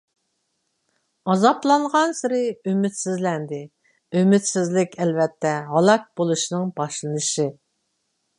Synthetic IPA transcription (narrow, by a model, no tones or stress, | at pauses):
ɑzɑplˠɑɴʁɑnsɪɾɪymɪt̪sɪzlɛnd̪ɪ | ymɪt̪sɪzlɪkʲɛlvɛt̪ʰːɛɦɑlˠɑk̚bolˠuʃnɨŋbɑʃlˠɨnɨʃɪ